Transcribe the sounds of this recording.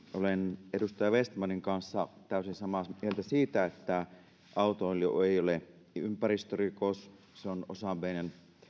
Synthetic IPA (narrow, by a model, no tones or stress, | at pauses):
olenedust̪ɑjɑʋest̪mɑniŋkɑnsːɑt̪æˑysinsɑmɑmielt̪æsiːt̪æet̪ːæ | ʔɑut̪ooljo̰eˑiole | ympærist̪ørikos | seono̰sɑmˑeˑinen